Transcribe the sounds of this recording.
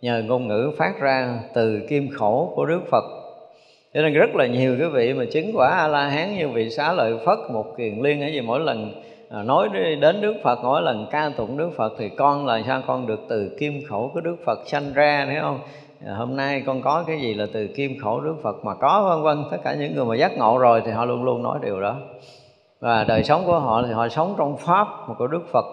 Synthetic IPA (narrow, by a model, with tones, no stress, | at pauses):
ɲəː˨˩ŋo˧nŋɨ̰˧˥faː˦˥t̚zaː˧t̪ɨ˨˩ki˧əmxo˧˩ku˧˩əɗɨ˦˥ək̚fə˨˩t̚ | t͡ɕɔ˧ne˧nzə˦˥t̚laː˨˩ɲi˨˩əwki˨˦vḭ˧˨maː˨˩t͡ɕï˨˦ŋ̟kwaː˧˩ʔaː˧laː˧ɦaː˨˦nɲɨ˧vḭ˧˨sa̰ː˧˥lə̰ː˧˨jfə˦˥t̚mo˨˩t̚kwi˨˩ənli˧ənʔaː˧˦zi˨˩mo̰˧˥jlə˨˩n˨˩ | no˨˦jɗe˨˦nɗɨ˦˥ək̚fə˨˩t̚mo̰˧˥˦jlə˨˩nkaː˧t̪ʊ̰˨˩n̚ɗɨ˦˥ək̚fə˨˩t̚t̪ʰi˨˩kɔ˧nlaː˨˩msaː˧wkɔ˧nɗɨ˨˩ək̚t̪ɨ˨˩ki˧mxo˧˩kɔ˨˦ɗɨ˦˥ək̚fə˨˩t̚sa˧jŋzaː˧t̪ʰɛ˨˦whə˧wŋ͡m | ho˧mna˧jkɔ˧nkɔ˨˦kaː˨˦jzi˨˩laː˨˩t̪ɨ˨˩ki˧mxo˧˩ɗɨ˦˥ək̚fə˨˩t̚maː˨˩kɔ˨˦və˧nvə˧nt̪ə˦˥t̚kːaː˧˩ɲɨ̰˧˥ŋːɨ˨˩əjmaː˨˩zaː˦˥t̚ŋo̰˧˨zo˨˩jt̪ʰi˨˩ɦɔ̰˧˨lu˧ənlu˧ənːɔ̰˨˦jɗi˨˩əwɗɔ˨˦ | vaː˨˩ɗəː˨˩jsə˨˦wŋ͡mku˧˩əɦɔ̰˧˨t̪ʰi˨˩ɦɔ̰˧˨sə˨˦wŋ͡mt͡ɕɔ˧wŋ͡mfaː˦˥p̚ku˧˩əɗɨ˦˥ək̚fə˨˩t̚